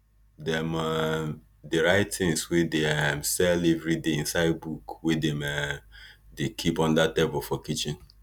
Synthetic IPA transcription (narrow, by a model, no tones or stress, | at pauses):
dɛma | deɾaɪtʰɪ̃ŋswedeɛmsɛlɛvɾideĩnsaɪd̚bukwedemɛmdekʰipɔ̃ndatebʊl̩fɔkit͡ʃɪ̃n